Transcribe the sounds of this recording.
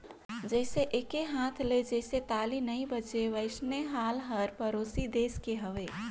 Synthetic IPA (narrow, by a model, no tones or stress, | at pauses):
d͡ʒɛɪseʔeːkeɦãːt̪ʰled͡ʒɛɪset̪aːlinəĩbət͡ʃeʋəɪsneɦaːlɦəɾpəɾoːsid̪eːskeɦəʋeː